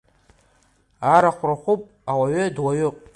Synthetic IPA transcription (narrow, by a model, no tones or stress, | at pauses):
aɾaχʷraχʷupʼ | awaɥʏdwaɥʊpʼ